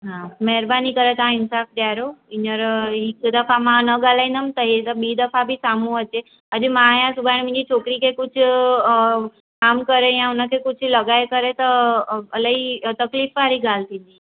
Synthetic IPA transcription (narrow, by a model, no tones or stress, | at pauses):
ɦãmɛɦɾbanikəɾet̪ãɪnsafd̪jaɾoinəɾikd̪əfamãnəɡalainəmt̪əɦet̪əbid̪əfabʱisamũət͡ʃe | əd͡ʒemãjãsubʱaɽ̃mĩɲd͡ʒit͡ʃʰokɾikekʊt͡ʃʰ | kaːmkəɾejãunakʰekʊt͡ʃʰləɡajkəɾet̪əəlait̪əkliːfʋaɾiɡalt̪ini